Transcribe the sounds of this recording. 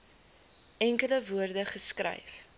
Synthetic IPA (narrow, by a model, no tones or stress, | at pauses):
ɛŋkələvuərdəχəskrɐ̰jf